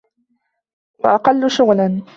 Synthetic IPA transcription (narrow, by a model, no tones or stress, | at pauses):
waʔɑqɑlːʊʃʊɣlan